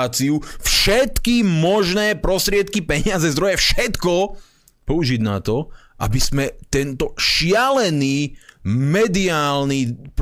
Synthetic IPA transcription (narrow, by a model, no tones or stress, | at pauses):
t͡siufʃɛt̪kimɔʒnɛːpɾɔst̪ɾɪɛt̪kipɛɲɪad͡zɛzd̪ɾɔjɛfʃɛt̪kɔ | pɔuʒiɟnat̪ɔʔa̰bizmɛt̪ɛnt̪ɔʃɪalɛniːmɛd̪iaːlniːp